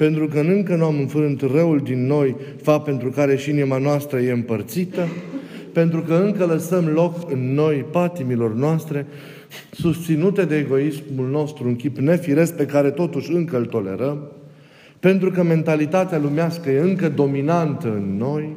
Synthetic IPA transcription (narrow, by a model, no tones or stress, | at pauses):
pe̞nt̪ɾukənɨŋkənuamɨnfɾɨnt̪rəuld̪inːo̞j | fape̞nt̪ɾukaɾe̞ʃiinimanoast̪ɾəje̞ɨmpərt̪sit̪əpe̞nt̪ɾukəɨŋkələsəmlo̞kɨnːo̞jpat̪imilo̞rnoast̪ɾe̞ | sust̪sinut̪e̞d̪e̞ːɡo̞ismulno̞st̪ɾuuŋkʲipne̞fiɾe̞s̚pe̞kaɾe̞t̪o̞t̪uʃʲɨŋkəɨlt̪o̞le̞̰ɾəm | pe̞nt̪ɾukəme̞nt̪alit̪at̪ealumeaskəje̞ɨŋkəd̪o̞minant̪əɨnːo̞j